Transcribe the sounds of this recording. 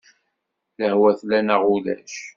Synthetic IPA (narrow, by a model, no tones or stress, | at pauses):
ləhwæθlænaʁulæ̰ʃ